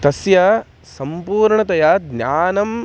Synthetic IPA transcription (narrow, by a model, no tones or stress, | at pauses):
t̪ɐsjɐ | sɐmpuːɾɳɐt̪ɐjad̪njaːnɐm